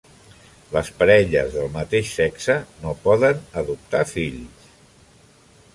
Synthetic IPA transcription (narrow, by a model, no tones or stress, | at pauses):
ləspəɾɛʎə̰zðəlˠmət̪eʃsɛksənopɔðənəðup̚t̪afiʎs